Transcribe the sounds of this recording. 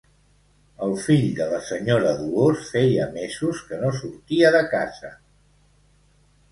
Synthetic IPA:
əlˠfiʎd̪ələsəɲoɾəðuosfɛjəmezuskənosuɾt̪iəðəkaz̥ə

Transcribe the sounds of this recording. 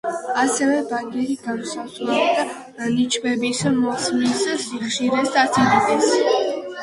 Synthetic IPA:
asɛvɛbaɡɛɾiɡansazlɛbid̪a | anit͡ʃʰbɛbismɔsmissiχʃiɾɛst̪ʼat̪sʰid̪ik̪ʼɛs

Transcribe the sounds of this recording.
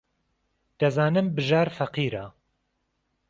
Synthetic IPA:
d̪̥ɐzaːnɨmbɨʒaːɾfɐqiːɾa

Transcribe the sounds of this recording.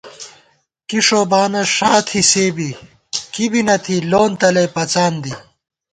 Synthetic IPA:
kiʂoːbaːnɐʂaːt̪ʰiseːbi | kibinɐt̪ʰiloːnt̪ɐlɐjpɐt͡saːnd̪i

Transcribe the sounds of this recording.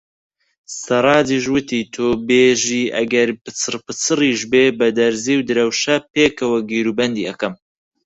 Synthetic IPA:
sɨɾˤɑːd̪iːʃwɨt̪ʰiːt̪ʰobeːʒiːʔɐ̰ɡɐɾpɨt͡sɨrpɨt͡sɨriːʃbeːbɐd̪ɐɾziːwd̪ɨɾɐwʃɐpeːkɐwɐɡiːɾuːbɐnd̪iːɐkɐm

